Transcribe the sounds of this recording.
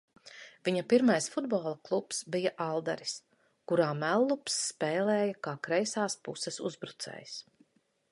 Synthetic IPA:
viɲapiɾmajsfud̪̚boːlˠɐklˠupsbijaʔalˠd̪aɾis | kuɾaːmælˠːupsːpɛːlɛːjɐkaːkɾɛjsaːspṵsɛsuzbɾut̪sɛ̰ːjs

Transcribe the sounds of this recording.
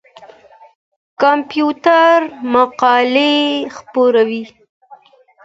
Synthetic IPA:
kampjut̪aɾmaqɑlexpoɾawi

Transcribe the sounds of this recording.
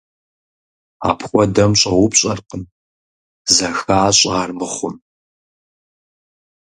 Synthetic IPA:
a̰ːpʰxʷɔdɐmɕʼɐwʊpɕʼɐrqən | zɐxaːɕʼʁaːrmɨχʷʊm

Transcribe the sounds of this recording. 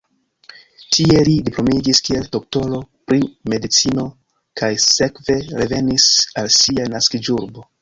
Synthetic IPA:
tʰie̞lidiplo̞miɡiskie̞lto̞k̚to̞lo̞pɾime̞dit͡sino̞ | kʰajse̞kve̞ɾe̞ve̞nisalsianaskid͡ʒuɾbo̞

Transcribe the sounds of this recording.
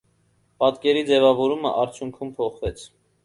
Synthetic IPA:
pɑt̪kɛɾid͡zɛvɑvɔɾumə̰ʔɑɾt͡sʰjuŋkʰumpʰɔχvɛt͡sʰ

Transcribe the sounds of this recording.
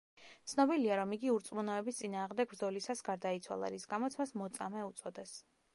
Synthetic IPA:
t̪sʰnɔbiliaɾɔmiɡiuɾt̪sʼmunɔɛbist̪sʼinaːʁmd̪ɛɡ̚bɾd̪zɔlisasɡaɾd̪ait̪sʰwa̰lˠa̰ɾisɡamɔt̪sʰmasmɔt̪sʼamɛut̪sʼɔd̪ɛs

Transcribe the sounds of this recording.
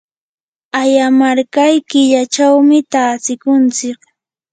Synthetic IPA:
ajamaɾkajkɪʎat͡ʃawmɪt̪aːt͡sɪkʊnt͡sɪk

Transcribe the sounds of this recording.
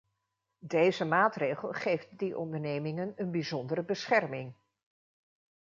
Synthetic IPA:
dejzəmaːtrejχəlˠχejftdiʔɔ̰ndəɹnejmɪŋənənbizɔndəɾəbəsχɛrmɪŋ

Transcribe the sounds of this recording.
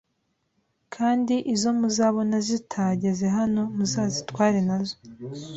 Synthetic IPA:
kʰaːndiʔizo̞muzaːβo̞nazitʰaɟezeɦano̞muzaːzitwaːɾenazo

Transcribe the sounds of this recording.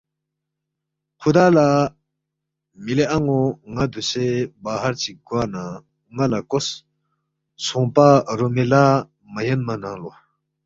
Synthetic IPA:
kʰud̪ala | mileʔaŋoŋad̪usebaɦart͡ɕikwana | ŋalakos | sʰoŋpaɾomela | majənmanaŋlo

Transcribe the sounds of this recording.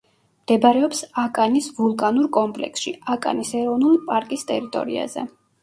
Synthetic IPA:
md̪̥ɛbɾɛɔpsakʼanisvulˠkʼanuɾkʼɔmpʼlɛ̰ksʃḭakʼa̰nisɛɾɔvnulipʼaɾkʼist̪ʼɛɾit̪ʼɔ̰ɾḭa̰zɛ̰

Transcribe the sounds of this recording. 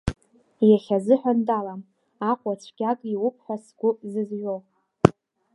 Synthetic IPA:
jaχʲazɨħʷᶣandalam | aqʷʼat͡ɕʷʰɡʲakʼiwʊpʰħʷasɡ̥ʷʊzɨzʒʷow

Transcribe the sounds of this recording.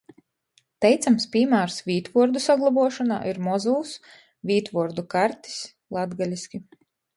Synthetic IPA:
t̪ɛjt̪samspʲimaːɾsvʲiːt̪vuɔɾd̪usaɡlˠabuɔʃɔna̰ːʔiɾmɔzuːs | vʲiːt̪vuɔɾd̪ukaɾt̪i̥s | lˠad̪ɡalʲisʲkʲi

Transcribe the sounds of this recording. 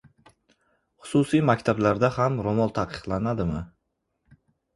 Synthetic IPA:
χʊ̥susijmakʲt̪ʰablaɾd̪ahamɾomɒlˠt̪ʰaqʰɨ̥qlˠanad̪ɪmɪ

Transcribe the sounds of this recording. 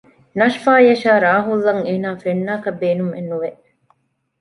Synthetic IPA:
nɐʃfaːjɐʃaːɾaːɦulːɐŋeːnaːfenːaːkɐbeːnumḛnːuʋe

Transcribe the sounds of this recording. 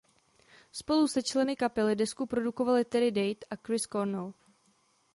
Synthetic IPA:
spo̞lusɛt͡ʃlɛnɪkapɛlɪdɛskupɾo̞duko̞valɪt̪ɛdɪdɛjt̪ʔakɾɪskoɾnɛl

